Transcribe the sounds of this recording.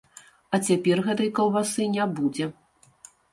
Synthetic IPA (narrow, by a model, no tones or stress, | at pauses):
ɐt͡sʲapʲɛrɣɛt̪ɐjkɐlˠvasɨnʲabud͡zʲɛ